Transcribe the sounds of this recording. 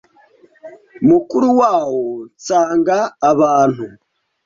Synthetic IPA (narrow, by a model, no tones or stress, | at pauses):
mukuɾuwaːwot͡saːŋɡaːβaːn̥hu